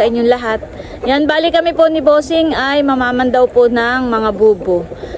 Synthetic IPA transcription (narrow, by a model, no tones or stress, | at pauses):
ɐʔɪɲjoŋlɐɦat̪̚ | janbaːlɪkɐmɪpo̞nɪboːsɪŋɐjmɐmaːmɐnd̪ɐwponɐŋmɐŋabuːbo